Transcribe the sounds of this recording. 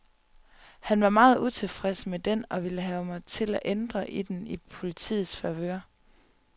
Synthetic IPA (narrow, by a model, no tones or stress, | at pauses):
hænʋɑ̈mɑ̈ːð̩ˠut͡sʰe̝fʁɛsəmed̥enɒ̽ʋiləɦɛːʊmɑ̈ɪt͡sʰe̝læʔend̥ʁɐʔid̥enipʰo̝lit͡sʰḭːð̩ˠsfæʋø̰ɐ